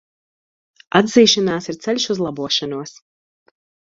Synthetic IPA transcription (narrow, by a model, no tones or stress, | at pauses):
ad̪ziːʃanaːsiɾt̪sɛlʲʃuzlˠɑbuɔʃanuɔs